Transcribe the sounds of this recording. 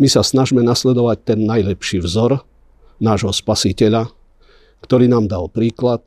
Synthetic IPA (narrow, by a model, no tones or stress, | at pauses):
misasnaʒmɛnaslɛd̪ɔʋac̚t̪ɛnːajlɛpʃiːʋzɔɾ | naːʒɦɔspasicɛʎa | kt̪ɔɾiːnaːmd̪alpɾiːklat̪̚